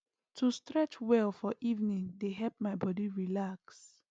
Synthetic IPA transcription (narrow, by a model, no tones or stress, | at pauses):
tʰustɹɛt͡ʃwɛlfɔʔivnĩŋdeɦɛlp̚maɪbɔdiɹilaks